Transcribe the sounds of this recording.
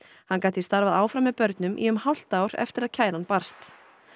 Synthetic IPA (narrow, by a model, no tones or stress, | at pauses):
hankaːjt̪ist̪aɾvaðaːwfɾamːɛðpœɾt̪nʏmʔḭʏmhawl̥t̪aːwɾɛ̰ft̪ɪɾaðcʰaːjɾanpar̥st̪